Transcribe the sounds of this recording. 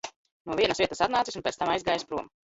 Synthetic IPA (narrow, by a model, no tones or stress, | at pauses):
nuɔviɛnəsviɛt̪əsat̪naːt̪sisunpʲɛːt̪t̪amajzɡaːjspɾuɔm